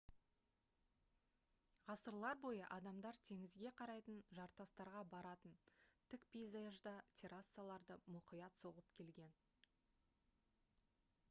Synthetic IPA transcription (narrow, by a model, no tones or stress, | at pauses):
ʁɑsəɾlˠɑɾbo̞jəʔɑd̪ɑmd̪ɑɾt̪ʰe̞ŋɪzɡʲe̞qʰɑɾɑjt̪ənʒɑɾt̪ɑst̪ɑɾʁɑbɑɾɑt̪ənt̪ʰɪkpijzaʒd̪ɑt̪ʲʰeɾasːalˠɑɾd̪əmʊqijɑt̪so̞ʁəpkʲʰe̞lɡʲe̞n